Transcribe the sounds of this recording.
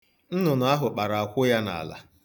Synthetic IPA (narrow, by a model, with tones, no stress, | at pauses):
n̩˦nʊ˨na˨˦a˦ɦʊ˨k͡pa˨ɾa˨a˨kʷʊ˦ja˦na̰˨a̰˨la̰˨